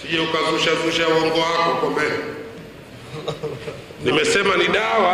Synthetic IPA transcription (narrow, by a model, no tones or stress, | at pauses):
piʄɛukazuʃazuʃawɔŋɡɔwakɔkɔmbɛɾɛ | nimɛsɛmaniɗawa